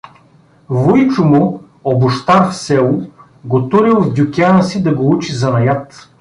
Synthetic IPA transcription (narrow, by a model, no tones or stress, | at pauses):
vʊjt͡ʃʊmʊ | obʊʃt̪aɾfsɛlˠʊ | ɡot̪uɾilˠvd̪ʲʊkʲianəsid̪ɐɡout͡ʃizɐnɐjat̪